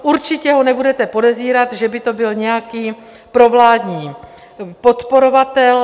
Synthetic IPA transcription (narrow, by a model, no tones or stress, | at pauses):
ʔuɾt͡ʃɪcɛɦo̞nɛbudɛt̪ɛpo̞dɛziːɾat̪ʒɛbɪt̪o̞bɪlɲɛjakiː | pɾo̞vlaːdɲiː | po̞t̪po̞ɾo̞vat̪ɛl